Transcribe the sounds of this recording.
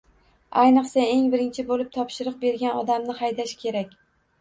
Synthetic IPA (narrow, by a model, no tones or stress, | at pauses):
ajnɨqsae̞ŋbɪɾɪnt͡ʃʰɪbolɪp̚t̪ʰɒpʃɪɾɨq̚be̞ɾɡʲanɒd̪amnɪhajd̪aʃkʲʰe̞ɾakʲ